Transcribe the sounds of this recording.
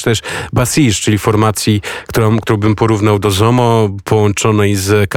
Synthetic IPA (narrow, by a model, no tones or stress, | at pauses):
t̪ɛʂbasiʂt͡ʂɘlʲifɔɾmat̪sʲjikt̪uɾɔ̃kt̪uɾɔ̃wbɘmpɔɾuvnawd̪ɔzɔmɔpʰɔwɔnt͡ʂɔnɛjzk